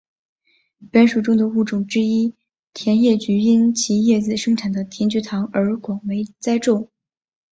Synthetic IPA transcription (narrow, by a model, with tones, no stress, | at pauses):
pɛ˥nʂu˨˩ʈ͡ʂʊ˥ŋd̪ə˨u˥˩ʈ͡ʂʊ˨˩ŋʈ͡ʂɻ̩˥i˥ | t̪ʰjɛ˧˥njɛ˥˩t͡ɕy˧˥i˥nt͡ɕʰi˧˥jɛ˥˩d͡zɹ̩˨˩ʂɤ˥ŋʈ͡ʂʰa˨˩nd̪ə˦t̪ʰi˧˥nt͡ɕy˧˥t̪ʰɑ˧˥ŋə˞˧˥kwɑ˨˩ŋwe˧˥ɪt͡sa˥ɪʈ͡ʂo˥˩ʊ